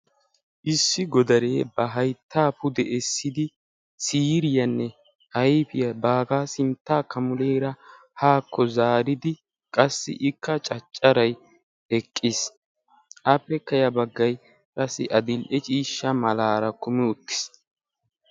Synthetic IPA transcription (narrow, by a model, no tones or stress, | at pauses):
ʔɪsːɪɡɔd̪ɐɾeːbɐɦɐjt̪ːaːpʊd̪ɛʔɛsːɪd̪ɪ | siːɾɪjɐnːɛ | hɐjfɪjɐbaːɡaːsɪnt̪ːaːkɐmʊleːɾɐ | haːkʰːɔzaːɾɪd̪ɪ | kʼɐsːɪ̰ʔɪkːɐt͡ʃʼɐt͡ʃʼːɐɾɐj | ɛkʼːɪs | ʔɐpːɛkːɐjɐbɐɡːɐj | kʼɐsːɪ̰ʔɐd̪ɪlʔɛt͡ʃʼiːʃːɐmɐlaːɾɐkʊmɪʊt̪ːɪ̥s